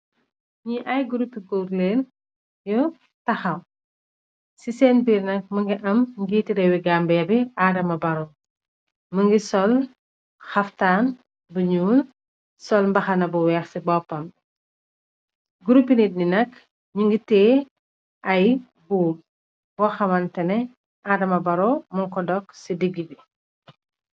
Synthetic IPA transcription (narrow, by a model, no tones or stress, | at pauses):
ɲiʔɐjɡuɾupːiɡuːɾleːn | jɔ | tɐxɐw | sisɛːnbiːɾnɐk̚mɐŋɡiʔɐmŋɡiːtiɾɛwiɡambɐjɐbiaːɾɐmɐbɐɾɔ | məŋɡisɔl | xɐftaːn | buɲuːl | sɔlmbɐxɐnɐbuwɛxsibɔpːɐm | ɡuɾupːinit̚ninɐk | ɲuŋɡitɛː | ʔɐj | buːm | wɔxɐmɐntɛnɛ | ʔaːdɐmɐbɐɾɔmɐŋkɔdɔksidiɡːibi